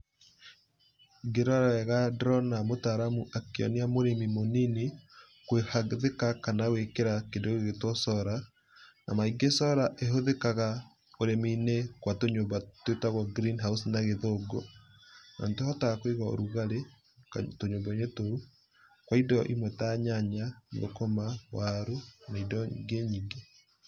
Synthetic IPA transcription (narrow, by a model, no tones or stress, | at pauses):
ɡeɾɔɾɛɣadɾɔnamotaɾamuʔakeɔ̰niamoɾemimonini | kwehaðekakanaɣwekeɾakendoɣeɣetwɔsɔɾa | na̰maiɡesɔɾaʔeɦoðekaɣa | oɾemiːnekwatoɲobatwetaɣwɔɡɾinɦausnaɣeðoɡo | nɔ̰ːntohɔtaɣakweɣao̰ɾuɣaɾe | ktoɲobaɲetoɾu | kwaidɔʔimwɛtaɲaɲa̰ɡo̰komawaɾumaidɔɡeɲiɡe